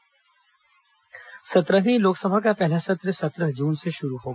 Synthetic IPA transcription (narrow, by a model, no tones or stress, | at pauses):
sɐt̪ɾəɦĩloːksɐbʱakapɛɦlasɐt̪ɾəsɐt̪ɾəɦd͡ʒuːnseʃʊɾuɦoːɡa